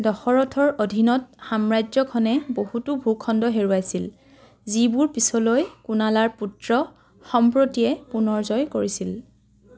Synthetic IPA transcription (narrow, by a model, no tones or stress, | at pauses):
dɔxɔɹɔtʰɔɹodʱinɔt̚xamɹajzɔkʰɔnɛbohutubʱukʰɔndɔɦeɹuajsil | zibuɹpisɔlojkunalaɹputɹɔ | xɔmpɹotijɛpunɔɹzɔjkoɹisil